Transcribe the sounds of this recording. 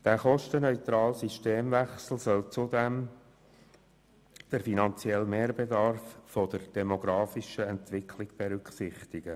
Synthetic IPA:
d̥æːχɔʃtənœʏt̪ɾɑːlsiʃteːmvɛχsl̩sœlt͡sud̪ɛm | d̥əɾfinɑnt͡sjɛlmeːɾbed̪ɑrffodəɾd̥ɛmoɡɾɑːfɪʃəɛntʋɪkʰlɪɡ̥b̥eɾʏkχsɪχt̪ɪɡ̥ə

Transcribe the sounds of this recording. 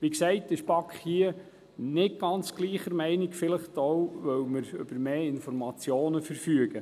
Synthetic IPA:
ʋiksɛɪtɪʃpɑkχhiə | nɪt̚ɡ̥ɑnt͡sɡ̥liːχəɾmɛɪnɪkfɪləχtowʋœwməɾʏ̰b̥əɾmeːɪnfɔɾmɑt͡sjoːnəfəɾfyəɡ̥ə

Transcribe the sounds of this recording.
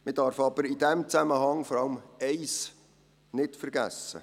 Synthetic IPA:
mɪdɑɾfɑb̥əɾid̥ɛmt͡sæməhɑŋfɔɾɑlmɛɪs | nɪtfəɾɡæ̰sːə̰

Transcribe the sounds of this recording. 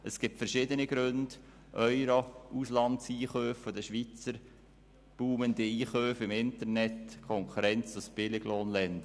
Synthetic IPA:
əsɡ̥ɪp̚tfəɾʃɪdəniɡ̥ɾʏnd̥ | ʔœʏɾouslɑntsiːχœːffod̪əʃʋit͡səɾ | b̥uːmənd̥iiːχøːfɪmɪntəɾnɛtkʰɔŋkʰuɾɛnt͡sʊsb̥ɪlɪɡ̥loːnlɛnd̥̪ə

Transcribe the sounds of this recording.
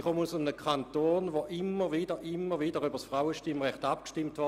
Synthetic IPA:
χomusʊmnəkʰχantoːnʋoʔɪmːəʋiːdəʔɪmːəʁʋiːdəʁybəsfʁaʊəʃtɪmʁɛχtap̚kʃtɪmtʋɔ

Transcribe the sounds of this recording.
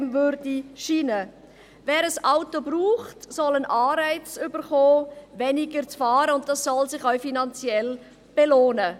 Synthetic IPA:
mvøɾdiʃiːnə | vɛːɾəsaʊtobruːχtsɔlənʔɑːɾaɪt͡sʏbəɾχoːvɛnɪɡəɾt͡sfɑːɾəʊnt̚d̥ɑsːɔlsɪχœʊfinɑnt͡sjɛl | b̥eloːnə

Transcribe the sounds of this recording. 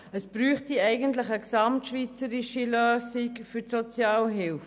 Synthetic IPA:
əsb̥ɾyːχtiɛɪɡəntlɪχəksɑmtʃʋit͡səɾiʃiløːsikfytsot͡sjɑːlɦɪlf

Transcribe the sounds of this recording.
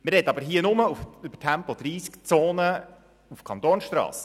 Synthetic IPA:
mɪɾɛtːɑbəɾɦiːənʊməufʉb̥ə̥tʰæmpɔd̪ɾiːskt͡soːnə | ufkʰɑnt̪oːnsʃtɾɑ̰ːs

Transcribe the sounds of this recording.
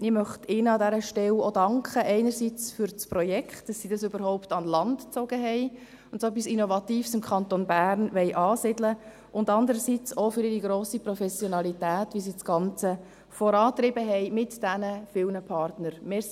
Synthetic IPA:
ɪmœχtɪnəɑdæɾəʃtɛlodɑŋkχəʔɛɪnəɾsit͡sfʏɾt͡spɾɔjɛkχtd̥ɑsːiːd̥ɑsøbəɾhɔʊptɑnlɑntt͡sɔɡ̥əɦɛɪ | ʊntsɛpisinovɑtiːfsɪmkʰɑntonbæːɾnʋɛɪʔɑːsɪdlə | ʔʊndɑndəɾəsit͡sofʏɾɪɾiɡɾoːsipɾɔfɛsjɔnɑlitæːtʋisiːdsɡ̥ɑnt͡sə | fɔɾɑːt̪ɾɪbəɦɛɪmɪtd̥ænəfɪlnəpʰɑrtnəɾmɪː

